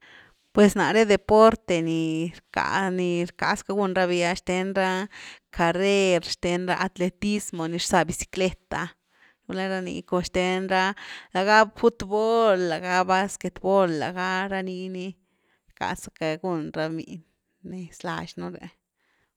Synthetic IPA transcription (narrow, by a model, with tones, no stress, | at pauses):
pwe˨sna˨ɾe˦d̪e˨po˦ɾt̪e˧ni˨ɾka̰˧˨ni˧ɾka̰˨ska˧˦ɡu˧nɾa˧bi˧a˧ʃt̪e˧nɾa˦kʰa˨ɾe˦ɾʃt̪e˧nɾa˦ʔa˧t̪le˧t̪i˦smo˨ni˧ɾsa˧bi˧si̥˧kle˦t̪a˨ | u˧la˦ɾa˧nḭ˧ko˧ʃt̪e˧nɾa˦la˨ɡa˦bfu˦t̪bo˦lːa˨ɡa˦ba˦ske˧t̪bo˦lːa̰˨ɡa˦ɾa˧ni˧˦ni˧ | ɾka̰˨sa˧ka˧ɡu˧nɾa˧mḭ˨n | ne˧sla̰˧ʃnu˦ɾḛ˧